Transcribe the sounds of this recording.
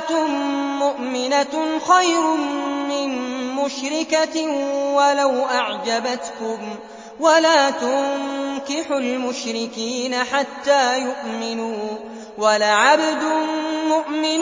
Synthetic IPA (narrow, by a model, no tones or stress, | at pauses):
t̪ʊmːʊʔmɪnaxajɾʊmɪnmʊʃɾɪkawalawʔaʕd͡ʒabat̪kʊm | walaːt̪ʊŋŋkɪħʊlmʊʃɾɪkiːnaħat̪ːaːjʊʔmɪnuː | walaʕabd̪ʊmʊʔmɪn